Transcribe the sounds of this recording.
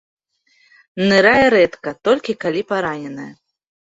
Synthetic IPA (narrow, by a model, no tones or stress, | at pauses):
nɨɾajɛɾɛt̪kɐt̪ɔlʲkʲikalʲipaɾanʲɛnɐjɐ